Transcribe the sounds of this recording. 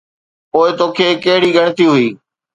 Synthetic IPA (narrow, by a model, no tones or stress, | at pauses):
poːɪt̪oːkʰeːkɐɦɪɽiːɡəɽ̃ɪt̪iɦʊiː